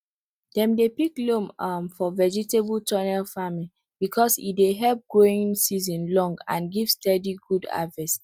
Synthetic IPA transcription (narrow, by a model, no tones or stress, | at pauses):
d̥ɛ̃mdepiklõmamfɔvɛd͡ʒitebultʰɔnɛlfamĩ | b̥ikʰɔsḭdeɦɛlp̚ɡ̥oĩŋsizɔ̃nlɔ̃ŋɡã̰nɡiv̥stɛdiɡuda̰vɛs